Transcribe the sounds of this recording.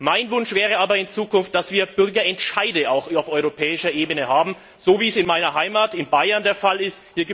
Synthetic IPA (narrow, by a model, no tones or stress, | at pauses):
maɪnvʊnʃv̥ɛːʁ̞əaːbɐɪnt͡suːkʊnft̚d̥asv̥iːɐb̥ʏɐɡɐɛntʃaɪdəaʊxaʊfɔʏʁopʰɛːɪʃɐʔeːbənəhaːbm̩ | z̥oːviːsɪnmaɪnɐɦaɪmaːtɪnbaɪɐndeːɐfalɪsthiːɐɡ